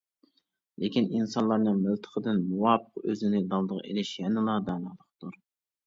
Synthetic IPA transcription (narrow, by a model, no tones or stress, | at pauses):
lekʲininsɑnlˠɑɾnɨŋmɪlˠt̪ʰə̥qʰəd̪ɨnmuwɑːpʰəqøzɪnɪd̪ɑlˠd̪əʁḛlɪʃjɛnɨlˠɑd̪ɑːnɑlˠəqt̪uɾ